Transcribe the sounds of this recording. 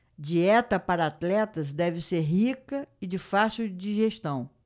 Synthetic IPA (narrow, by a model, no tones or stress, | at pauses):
d͡ʒiɛt̪ɐpaɾɐat̪lɛt̪ɐzd̪ɛvɪseɾɦikɐɪd͡ʒɪfasud͡ʒiʒeʃt̪ɐ̃w̃